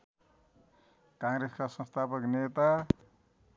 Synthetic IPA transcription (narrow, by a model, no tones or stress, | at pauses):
kãŋɾeskasʌ̃nst̪ʰapʌknet̪a